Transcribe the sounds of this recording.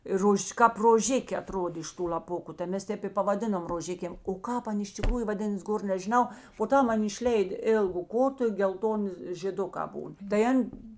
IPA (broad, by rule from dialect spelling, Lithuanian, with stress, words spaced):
ɪ ˈroːʃʲ kɑːp roːˈʒʲɪkʲeː ɐˈtroːdʲeː ɪʃ ˈtuː lʲɐˈpʊkʊ tɐɪ ˈmʲɛs ˈtʲɛp ɪ pɐʋɐˈdʲɪnoːm roːˈʒʲɪkʲeːm oː ˈkɑːp ˈɐn ɪʃ tʲɪkˈruːjʊ ʋɐˈdʲɪnɐs ˈɡoːr nʲɛʒʲɪˈnɐʊ poː ˈtɐm ˈɐn ɪʃʲˈlʲɛɪt ˈeːlˠɡʊ ˈkoːtʊ ɪ ɡʲɛlˠˈtoːnʲɪ ʒʲeːˈdʊkɑː ˈbuːn tɐɪ ˈɐnʲ